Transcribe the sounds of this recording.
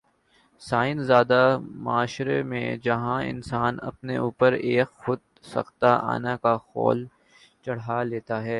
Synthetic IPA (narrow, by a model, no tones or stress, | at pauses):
saːɪnzaːd̪amʊaːʃɾemḛ̃d͡ʒɐɦãɪ̰̃nsaːnɐ̰pneuːpəɾeːkxʊd̪̚ | sɐ̰xt̪aʔa̰ːnakaxɔ̰ːl | t͡ʃɐɽ̤aleːt̪aɦɛː